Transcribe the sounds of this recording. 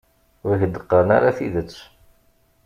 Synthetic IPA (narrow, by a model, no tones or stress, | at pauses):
ɾiçəd̪əqːəɾəna̰ɾaθiðət͡sː